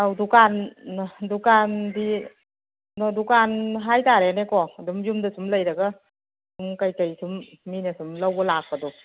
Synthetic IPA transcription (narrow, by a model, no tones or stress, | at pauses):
awdukan | dukandi | nɔdukanɦajtaɾenekɔdumjumdasumlajɾaɡa | sumkajkajsʰumːinesumlawbɔlak̚badɔ